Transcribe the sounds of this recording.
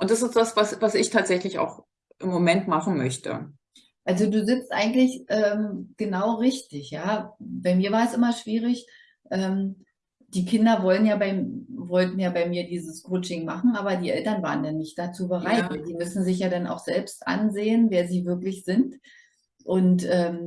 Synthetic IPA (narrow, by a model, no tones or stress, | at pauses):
ʔʊntd̥asɪstd̥asv̥asvasɪçtʰaːtz̥ɛçlɪça̰ʊx | ʔɪmːomɛntmaχn̩mœçtə̰ | ʔalzoduːzɪpstʔa̰ɪɡŋ̩tlɪçʔɛːmɡ̥ənaʊʁɪçtɪçjaːbaɪmiːɐvaːɐɛsʔɪmɐʃv̥iːʁɪç | ʔɛːm | d̥iːkʰɪndɐvɔlənjaːbaɪmvɔltn̩jaːbaɪmiːɐdiːzəskʰoːt͡ʃɪŋmaχn̩ʔaːbɐdiːʔɛltɐnvaːʁəndanːɪçt̚d̥at͡suːbəʁ̞aɪtvaziːmʏsn̩zɪçjaːdana̰ʊxz̥ɛlpstʔa̰nzeːənveːɐziːvɪɐklɪçz̥ɪnt | ʔʊntʔɛːm